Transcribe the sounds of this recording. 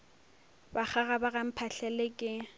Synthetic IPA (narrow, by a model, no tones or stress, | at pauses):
baχaɣabaɣam̩pʰaɬɛlɪkʼɪ